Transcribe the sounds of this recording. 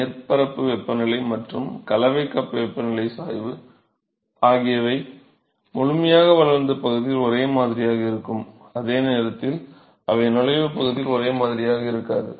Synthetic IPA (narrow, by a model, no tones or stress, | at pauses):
nɪrpɐɾɐpːɯʋɛpːɐnɐlɐɪmɐʈrɯmkɐlɐʋɐɪkːɐpːɯʋɛpːɐnɐɭɐɪsaːjʋɯ | aːɣɪjɐʋɐɪ | mʊɻʊmɐjaːɣɐʋɐlɐɾnd̪ɐpɐɣɯðɪɪlɔɾeːmaːðɪɾɪjaːɣɐɪɾɯkːɯm | ɐðeːneːɾɐt̪ːɪl | ʔɐʋɐɪnʊlɐɪʋɯpɐɣɯðɪlɔɾeːmaːðɪɾɪjaːɣɐɪɾɯkːaːðɯ̰